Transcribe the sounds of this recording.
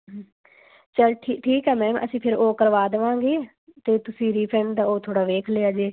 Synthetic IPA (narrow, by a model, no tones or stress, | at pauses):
t͡ʃəlʈʰiːʈʰiːkɦɛːmɛ̃ːmʔə̰sĩːpʰɪɾoːkəɾʋaːd̪əʋãːŋɡeː | t̪eːt̪ʊsĩːɾiːpʰɾɛ̃ːɳɖd̪aːoːt̪ʰoːɽaːʋeːkʰleːaːd͡ʒeː